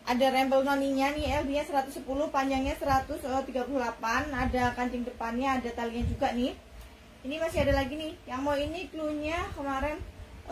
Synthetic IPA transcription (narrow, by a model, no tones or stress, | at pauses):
ʔadaɾɛmbəlnaniɲanɪɛlbiɲasəɾat̪ʊsːəpulʊhpaɲd͡ʒaŋɲasəɾat̪ʊsət̪iɡapululapanadakaɲt͡ʃɪŋdəpanɲaːdat̪aliɲad͡ʒuɡaʔnɪh | inimasiɦadalaɡinɪhjaŋmawinikluɲakəmaɾɛn